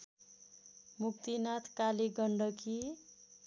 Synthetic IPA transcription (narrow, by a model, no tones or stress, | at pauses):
muk̚t̪inat̪ʰkaliɡʌɳɖʌki